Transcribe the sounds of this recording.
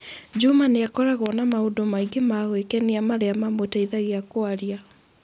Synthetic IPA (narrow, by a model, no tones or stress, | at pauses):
d͡ʒumaneakɔɾaɣwɔnamaodomaiɡemaɣwekɛniamaɾeamamoetaiðaɣeakoaɾia